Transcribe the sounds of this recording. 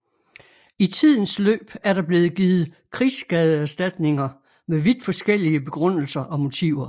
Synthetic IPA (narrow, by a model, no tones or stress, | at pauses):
it͡sʰið̞̰ˠn̩slø̰ːb̥æɐɾ̥ɑ̈b̥le̝ːð̩ˠɡ̥iːð̩ˠ | kʰʁḭːsɡ̥ɛːð̞ˠəæɐsd̥æd̥ne̝ŋɐ | meʋid̥fɒ̽sɡ̥el̰iəb̥e̝ɡ̥ʁɔn̰l̩sɐʔɒ̽mo̝t͡sʰiʊɐ